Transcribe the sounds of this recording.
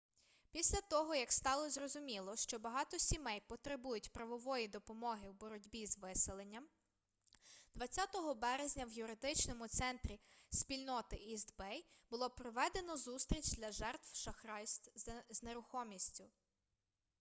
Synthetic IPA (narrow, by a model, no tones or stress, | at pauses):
pʲisʲlʲɐt̪ɔɦɔjɐkst̪ɑlˠɔzrɔzʊmʲilˠɔʃt͡ʃɔbɐɦɑt̪ɔsʲimɛjpɔt̪ɾɪbujʊtʲpɾɐʋɔʋɔjid̪ɔpɔmɔɦɪwbɔɾɔdʲbʲizʋɪselˠenʲːɐm | d̪̥ʋɐt͡sʲːat̪ɔɦɔbɛɾezʲnʲɐwjʊɾɪd̪ɪt͡ʃnɔmʊt̪sɛnt̪ɾʲisʲpʲilʲnɔt̪ɪʔizd̪bɛjb̥ʊlˠɔpɾɔʋɛd̪enɔzust̪ɾʲit͡ʃd̪ʲlʲɐʒɛrt̪wʃɐxɾɑjst̪zneɾʊxɔmʲisʲtʲʊ